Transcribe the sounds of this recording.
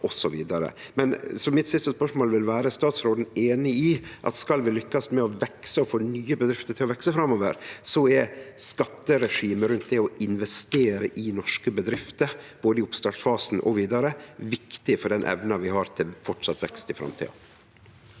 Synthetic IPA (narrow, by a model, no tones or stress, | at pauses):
ʔɔsɔʋiːd̪ɑɾə̰mɛnsɔmɪt̪sɪst̪əspœʂmoːlʋɪlʋæːɾəst̪ɑːt̪sɾoːd̪n̩eːnɪɪʔɑ̰t̪skɑlʋɪlʏkːɑsmɛɔʋɛksəɔfoːnyːəbəd̪ɾɪft̪əʈʰɪlɔʋɛksəfɾɑmoːʋə̰ɾsɔɛskɑt̪ːəɾɛʂiːməɾʉnt̪̚d̪ɛɔɪnʋɛst̪eːɾəʔɪnɔʂkəbəd̪ɾɪft̪əɾb̥oːd̪əɪʊpst̪ɑʈsfɑːsn̩ʔɔ̰ʋiːd̪ɑɾəʋɪkt̪ɪfɔɖɛnʔɛ̰ʋnɑʋɪɦɑɾt̪ʰɪlfɔʈʂɑt̪ʋɛ̰kst̪ɪfɾɑ̰mt̪ʰḭːɑ̰